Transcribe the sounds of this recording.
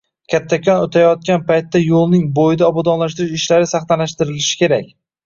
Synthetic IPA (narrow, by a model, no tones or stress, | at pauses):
kʲʰat̪ʰːakʲʰɒnot̪ʰajɒt̪̚kʲanpajt̪ːajolˠnɪŋbojɪd̪aɒbɒd̪ɒnlaʃt̪ɪɾɪʃɪʃlaɾɪsaχt̪alaʃt̪ɪɾɪlɪʃɪ̥kʲe̞ɾak̚ʲ